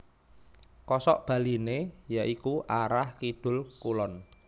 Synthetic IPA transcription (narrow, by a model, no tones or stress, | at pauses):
kɔsɔ̰ʔb̥a̤linejaʔikuʔaɾahkid̪̥ʊ̤lkulɔn